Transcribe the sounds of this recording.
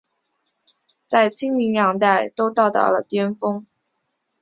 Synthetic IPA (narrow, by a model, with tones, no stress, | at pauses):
t͡sa˥˩ɪt͡ɕʰi˥ŋli˧˥ŋjɑ˧˥ŋt̪a˥˩ɪt̪o˥ʊt̪ɑ˥˧ʊt̪ɑ̰˥˩ʊlə̰˨˩t̪jɛ˥nfɤ˥ŋ